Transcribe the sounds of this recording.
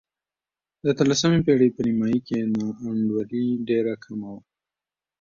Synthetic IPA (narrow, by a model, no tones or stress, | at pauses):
d̪ət̪əlasəmepeɽepənimɑjikenɑːɳɖwaɾiɖeɾakʰamawa